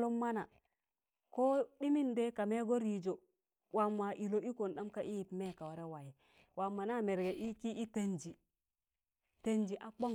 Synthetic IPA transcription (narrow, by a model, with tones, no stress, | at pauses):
lo˦mːa˦na˨ | ko˦ɗi˦mi˦nde˦ka˨me˦ɡo˦ɾi˨d͡ʒo˨ | wa˨mːa˨ʔi˨lo˦ʔi˦ko˨nɗa˦mka˦ʔi˦ji˨pme˦˨ka˨wa˨ɾe˦wa˨ji˨ | wa˨mːa˨na˦me˨ɾɡe˨ʔi˦ki˦i˦te˨nd͡ʒi˨ | te˨nd͡ʒi˨ʔa˨k͡po˦